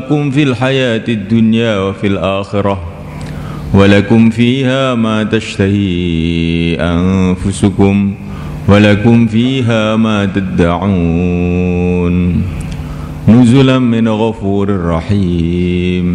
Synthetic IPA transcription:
kʊmfilħajaːt̪ad̪ːʊnjaːwafilʔaːxɪɾˤɑ | walakʊmfiːhaːmaːt̪aʃt̪ahiː | ʔanfʊsʊkʊm | walakʊmfiːɦaːmaːt̪ad̪ːaʕu | n | nʊzʊlanmɪnɣafuːɾarˤːɑħiː | m

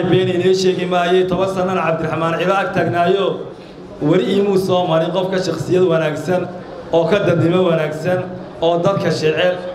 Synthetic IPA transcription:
bɛːnɪlɛʃɛːɣɪmaːjɛjt̪ʰɔβɐnsɐnːɐnɐʕɑb̚d̪ɪɾħmaːnʕɪβaːɡ̚t̪ʰɐɡnaːjɔː | wɐɾɪiːmuːsɔːmɐɾɪqɔfkʰɐʃɑqsɪjɐd̪wɐnaːɡsɐn | ɔːkʰɐd̪ɐnɪmɐwɐnaːɡsɐn | ɔːd̪ɐd̪kʰɐʃɛːʕɛl

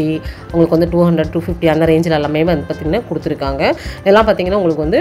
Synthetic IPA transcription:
i | ʊŋɡɐɭɯkːɯʋɐnd̪ɯʈuːɦɐɳɖɾɐɖʈuːfɪfʈiɐnd̪ɐɾeɪɲd͡ʒɪlɐlɐmɐjmʋɐnd̪ɯpaːɾt̪iːŋɡɐnːaːkʊɽɯt̪ːɪɾɯkːaːŋɡɐɛlːãːpaːɾt̪iːŋɡɐnːaːʊŋɡɐɭɯkːɯʋɐnd̪ɯ

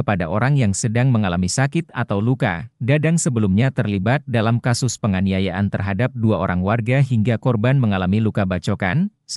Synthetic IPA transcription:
əpadaʔoɾaŋjaŋsədaŋməŋalamisakɪt̪̚a̰t̪awluka̰dadaŋsəbəlumɲat̪ərlibat̪̚dalamkasʊspəŋaniajaʔant̪ərɦadap̚duaoɾaŋwarɡaɦiŋɡakɔrbanməŋalamilukabat͡ʃoka̰n | s

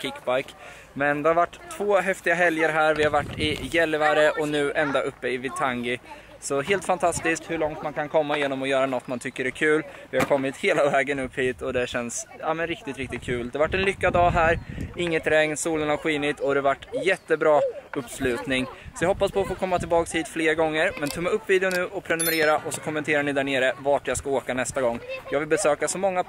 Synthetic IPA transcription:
kʰɪkːbajk | mɛnd̪ɛhaɾvaʈːt̪ʰv̥oːɦɛft̪ɪɡaɦɛljəɾɦæːɾvɪhaɾvaʈːɪjɛlvaɾəʔɔnʉ̟ːʔɛnd̪aʔɵpːəɪvɪt̪ʰaŋɡɪ | sɔɦeːlt̪fant̪ʰast̪ɪskt̪hɵɭɔŋt̪mankʰankʰɔmːajeːnɔmɔjœːɾanɔt̪ːmant̪ʰʏkːəɾæɾkʰʉ̟ːlvɪhaɾkʰɔmːɪt̪heːlavɛːɡənɵpːhiːt̪ɔd̪ɛɕɛnsamɛnɾɪk̚t̪ɪt̪ɾɪk̚t̪ɪt̪̚kʰʉ̟ːld̪ɛvaʈːɛnlʏkːad̪ɑːɦæːɾɪŋːət̪ɾɛŋnsuːlənhaɾɧiːnɪt̪ɔd̪ɛvaʈːjɛt̪ːəbɾɑːɵpːslʉ̟ːt̪nɪŋsɔjɑhɔpːaspʰɔfoːkʰɔmːat̪ʰɪlbɑːkshiːt̪fleːɾɡɔŋːəɾmɛnt̪ʰɵmːaɵpːviːd̪ɛʊnʉ̟ːʔɔpʰɾɛnɵmɛɾeːɾaʔɔsɔkʰɔmːɛnt̪ʰeːɾaɳɪd̪æɳeːɾəvaʈjaːɡskaoːkanɛst̪aɡɔŋːjɑːɡvɪlbɛsøːkasɔmɔŋːa

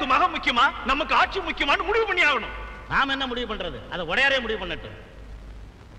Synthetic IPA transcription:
kːɯmaːɣɐmʊkːɪjɐmaːnɐmːɐkːɯaːʈ̚t͡ʃimʊkːɪjɐmaːnɯmʊɽɪʋɯpɐɳːɪjaːɣɐɳʊ̰̃naːmɛnːɐmʊɽɪʋɯpɐɳɾɐðɯ̰ɐðɐɔɽɐjaːɾeːmʊɽɪʋɯpɐɳːɐʈːɯ̰̃

